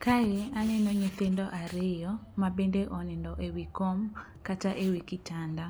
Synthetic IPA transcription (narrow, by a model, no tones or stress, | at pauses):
kajɪanɛnɔɲɪt̪ɪndɔʔaɾɪjɔmabendeʔɔnɪndɔʔewikom | kataʔewikɪtanda